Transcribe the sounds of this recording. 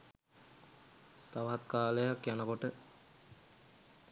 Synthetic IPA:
t̪aʋɦat̪kaːləjakjanəkoʈə

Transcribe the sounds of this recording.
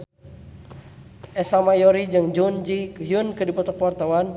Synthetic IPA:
ɛsamajɔɾid͡ʒɨŋd͡ʒund͡ʒiɦjunkɨdipɔt̪ɔkwart̪awan

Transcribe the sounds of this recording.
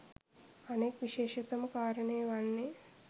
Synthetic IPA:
ɐneːkʋiʃeːʃit̪ɐmɐkaːɾɐneːʋaɳːi

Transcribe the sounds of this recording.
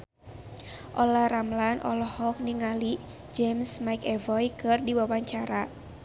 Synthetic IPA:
ʔɔlaramlanʔɔ̰lɔhɔk̚niŋali | d͡ʒɛmsmaikɛvɔjkɨrdiwawaɲt͡ʃaɾa

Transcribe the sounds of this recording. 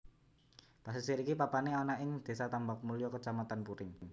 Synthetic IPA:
pas̬isiɾikipapaneanaɪŋd̪̥e̤sat̪ambak̚mulijɔkət͡ʃamat̪anpuɾɪŋŋ

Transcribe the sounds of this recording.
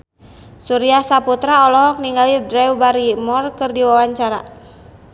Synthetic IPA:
suɾiasaput̪ɾaɔlɔɦɔk̚niŋɡalidɾɛwbaɾimɔrkɨrdiwawaɲt͡ʃaɾa̰

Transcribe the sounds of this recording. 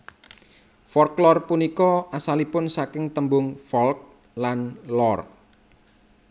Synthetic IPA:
fɔlklɔrpunikɔasalipʊnsakɪŋt̪əmbʊŋfɔlk̚ | lanlɔr

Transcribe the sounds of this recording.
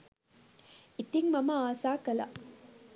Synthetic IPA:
ʔit̪iŋmɐmɐaːsaːkɐlɐ̰

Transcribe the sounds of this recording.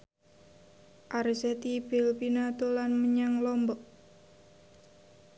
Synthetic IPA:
ʔaɾisɛt̪ibilpinat̪olanməɲaŋlɔmbɔʔ

